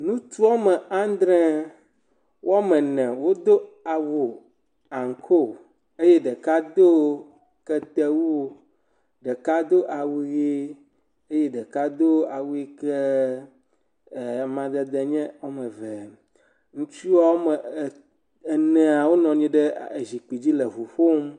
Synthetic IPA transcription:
nũ˦t̪u˦wa˦mɛ˨a˦nd̪ɾɛ˦ | wʔa˦mɛ˨nɛ̃˨wo˦d̪o˦a˨wo˨ | a˨ŋ˨kʰo˦ | e˦je˦ɖə˨ka˦d̪o˦ | kɛ˦t̪ɛ˦wu˦wo˦ | ɖə˨ka˦d̪o˦ʔa˨wu˨je˦ | e˦je˦ɖɛ˨ka˦d̪o˦a˨wu˦e˦kɛ˦˨ | mã˨d̪ɛ˦d̪ɛ˨ɲɛ̃˦wo˦mɛ̃˨vɛ˨ | ŋũ˦t͡ʃu˦wa˦wo˦mɛ˨ | nɛ̃˨a˨wo˦nɔ̃˨ɲĩ˦ɖɛ˦e˨zi˨k͡pi˨d͡ʑi˦lɛ˨ɦu˨ɸo˦m

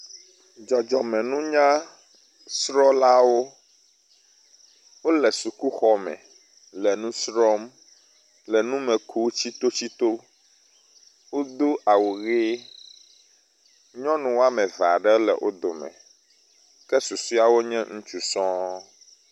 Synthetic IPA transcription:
d͡ʒɔ˨d͡ʒɔ˨mɛ̃˨nũ˦ɲã˦ | sɾɔ˦la˦wo˦ | wo˦lɛ˨su˨ku˦xɔ˦mɛ̰̃˨ | lɛ˨nũ˦sɾɔ˦m | lɛ˨nũ˦mɛ̃˨kʰu˦t͡ɕi˦t̪o˦t͡ɕi˦t̪o˦ | wo˦d̪o˦ʔa˨wo˨ɣe˦ | ɲɔ̃˦nũ˨wo˦a˦mɛ̃˨va̰˨ɖɛ˦lɛ̰˨wʔo̰˦d̪o˨mɛ̰̃˨ | kɛ˦su˨su˦a˨wo˦ɲɛ̃˦ŋũ˦t͡ʃu˨sɔ̃˦

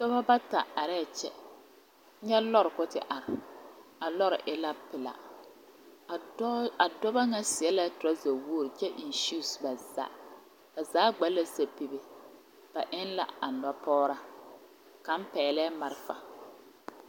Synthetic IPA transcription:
dɔ˦ba˦ba˦ta˨a˨ɾɛ˦˨t͡ʃɛ˦ | ɲɛ˦lɔ˦ɾkʊ˦tɪ̰˨ʔa˨ɾɪ˨a˨lɔ˦ɾɪ̰˨ʔɪ˦la˦pɪ˨la̰˨˦ | a˨dɔ˦ba˦ŋa˦sɪ˨ɛ˦la˦tʊ˨ɾa˦za˨wo˦ɾt͡ʃɛ˦ʔi˨nʃu˦˨sba˨za̰˦ | ka˨zaː˨˦ɡ͡ba˨˦la˦sa˨pi˨be˨ | b̥a˨ʔɪ˦nla̰˦˨a˨nɔ˦pɔː˦ɾa˦ | ka˨m̩˦pɛː˨lɛː˦ma˨ɾɪ˦fa̰˨

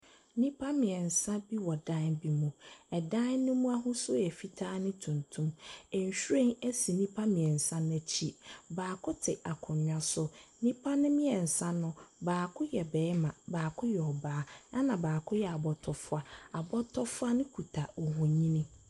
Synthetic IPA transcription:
nĩ˦pʰa˦mɪ̃˨ɛ˨n̩˨sã˦bi˦wɔ˨dã˦nbi˦mũ˨ɛ˨dã˦nː˦ʊ̃˦mũ˦a˦ɦʊ̃˦sʊ˦ɛ˨fi˦tʰaː˦nɪ̃˦tʰũ˨ntʰũ˦mɛ˨ɲ˨ɕᶣu˦ɾẽ˦ŋæ˦si˨nĩ˦pʰa˦mɪ̃˨ɛ˨n̩˨sã˦n˦ɛ˨t͡ɕʰi˦baː˨kʰʊ˦tʰɪ˨a˨kʰʊ˨ɲ˨a˦sʊ˦nĩ˦pʰa˦nɪ̃˦mɪ̃˦ɛ˨n̩˨sã˦nʊ̃˦baː˨kʰʊ˦jɛ˨bɛː˨˦mã˨baː˨kʰʊ˦jɛ˨ɔ˨baː˦a˦nã˨baː˨kʰʊ˦jɛ˨a˨bɔ˨tʰɔ˨fʊ˦a˨a˨bɔ˦tʰɔ˦fʊ˦a˦nɪ̃˦kʰu˨tʰa˨wɔ˨hɔ̃˨ɲĩ˦nɪ̃˦

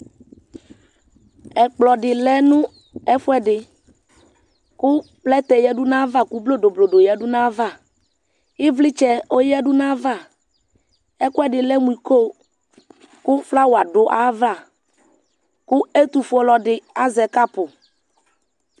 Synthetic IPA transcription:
ɛ˨k͡plɔ˨ɖɪ˨lɛ˦nũ˦ | ɛ˦fʊ˦ɛ˦ɖɪ˨ | kʊ˦plɛ˦t̪ɛ˨jɛ˦ɖu˦nã˦va˦˨ku˦blo˦ɖo˨blo˨ɖo˨jɛ˦ɖu˦nã˦va˦˨ | i˦vlɪ˦t͡ʃɛ˦o˦jɛ˦ɖʊ˦nã˦va˦˨ | ɛ˦kʊ˦ɛ˦ɖɪ˨lɛ˦mu˨i˨ko˦ | kʊ˦fla˦wo˨a˨ɖʊ˨ʔa˦va˦˨ | kʊ˦e˦t̪u˨fʊ˦ɔ˦lɔ˨ɖɪ˨a˦zɛ˨ka˦pʊ˨

